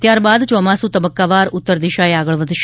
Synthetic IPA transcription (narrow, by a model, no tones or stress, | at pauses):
t̪jaɾbad̪t͡ʃɔmasũt̪əbəkːaʋaɾʊt̪ːəɾd̪iʃaeaɡəɭʋəd̪ʱʃ